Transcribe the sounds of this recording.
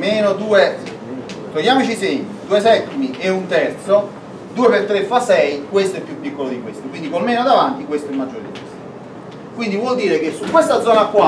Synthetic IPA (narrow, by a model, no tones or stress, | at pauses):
meːnod̪uːe | t̪ojaːmot͡ʃisɛmid̪uːes̬ɛt̪ːimieunt̪ɛrt̪so | d̪uːefet̪ːɾefːasɛjkwest̪oɛpːjupːikːolod̪ikwest̪okwind̪ikolmeːnod̪avant̪ikwest̪oɛmːad͡ʒːo̰ːɾdḭes | kwind̪ivwɔld̪iːɾekesːukːwest̪ad̪zːɔːnakːwa